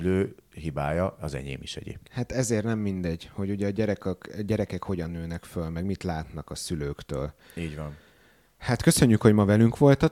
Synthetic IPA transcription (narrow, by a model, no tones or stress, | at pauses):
yløːɦibaːjɒɒzɛ̰ɟḛːmiʃɛ̰ɟḛːphat̪ɛzeːrnɛmːind̪ɛɟho̞ɟuɟɛːɟɛɾɛkkɟɛɾɛkɛkho̞ɟɒnːøːnɛkfølmɛɡmit̪laːt̪nɒkɒsyløːkt̪øːl | iːɟʋɒn | hat̪køsø̞ɲːykho̞ɟmɒvɛlyŋkʋo̞lt̪ɒ